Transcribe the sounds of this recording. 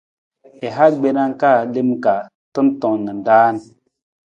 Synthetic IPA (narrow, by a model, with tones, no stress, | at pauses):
e˨ɦa˦ɡ͡be˦na˦ŋ˦ka˦˨le˦mka˨ | tə˦ntɔ˨ŋ˨nɨ˨n˨daː˦n